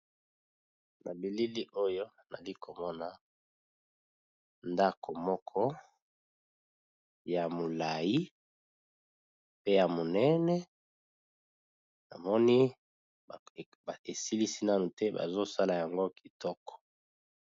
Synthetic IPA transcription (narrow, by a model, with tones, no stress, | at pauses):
na̰˨bi˨li˦li˦ʔo˦jo˦ | na̰˨li˦kʰo˨mɔ˦na˦ | nda˦kʰo˨mɔ˦kʰɔ˦ | ja˨mo˨la˨ji˦ | pe˦ja˨mo˨nɛ˦nɛ˦ | na˨mɔ˦ni˦˨ | ba˨e˨si˦li˦si˦na˦nu˨tɛ˦ba̰˨zo˦sa˦la˨ja˨ŋɡo˦ki˨tɔ˦kɔ̥˨